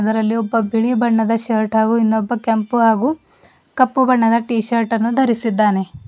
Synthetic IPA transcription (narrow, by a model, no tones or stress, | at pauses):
ɐd̪ɐɾɐlːiɔbːɐbʱiɭibɐɳːɐd̪ɐʃɐɾʈɦaːɡuinːɔbːɐkɐmpuɦaːɡu | kɐpːubɐɳːɐd̪ɐʈiːʃɐɾʈɐnːud̪ʱɐɾisid̪ːaːne̞